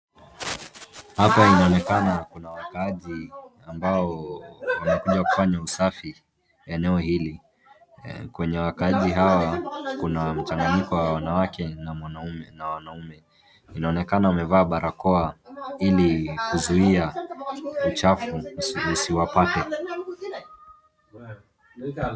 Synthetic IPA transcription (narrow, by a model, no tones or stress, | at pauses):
hapainaɔnɛkanakunawakaaʄiambaɔwanakuʄaku̥faɲausafi | ɛnɛɔhili | kwɛɲɛwakaaʄiɦawakunam̩t͡ʃaŋɡaɲikɔwawanawakɛnamwanaumɛnawanaumɛ | inaɔnɛkanaumɛvaːɓaɾʔakɔailikuzuia | ut͡ʃafuusiwapatɛ